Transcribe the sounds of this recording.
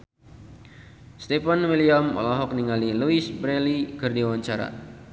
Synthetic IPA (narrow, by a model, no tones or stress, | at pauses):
st̪efanwiliamɔ̰laɦɔk̚niŋaliluisbɾɛlikɨrdiwaɲt͡ʃaɾa̰